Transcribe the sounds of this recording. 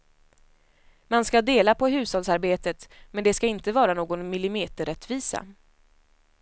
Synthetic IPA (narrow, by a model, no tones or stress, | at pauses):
manskad̪eːlapɔɦʉ̟ːshɔlsaɾbeːt̪ət̪mɛnd̪ɛskaɪnt̪əvɑːɾanoːɡɔnmɪlɪmeːt̪əɾɛt̪viːsa̰